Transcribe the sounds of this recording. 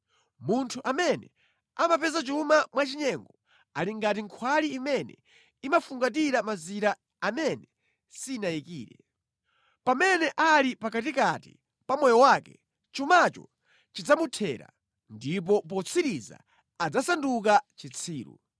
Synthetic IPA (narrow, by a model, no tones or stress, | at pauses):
muntʰuʔamɛnɛ | amap̬ɛzat͡ʃumamwat͡ʃiɲɛŋɡɔ | aliŋɡatiŋkʰwaliːmɛnɛ̰ | imafuŋɡat̬iɾamaziɾa | amɛnɛ | sinajikiːɾɛ̰ | pamɛnɛʔalipakat̬ikati̥̰ | pamɔjɔwaːkɛ̰ | t͡ʃumat͡ʃɔ̰ | t͡ʃid͡zamutʰɛ̰ːɾa̰ | ndip̬ɔpɔt͡sʰiɾiza̰ | ad͡zasanduk̬at͡ʃit͡sʰiːɾṵ